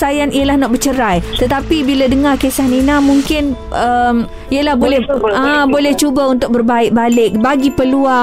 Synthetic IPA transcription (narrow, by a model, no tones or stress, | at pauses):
ajanʔijəlahnɔʔ̚bərt͡ʃəɾajt̪ət̪apibiladəŋãrkesahninãmuŋkɪn | ʔəm | iəlahbolɛəbolɛht͡ʃubaunt̪ʊk̚bərbaɪk̚balɪk̚baɡipəlua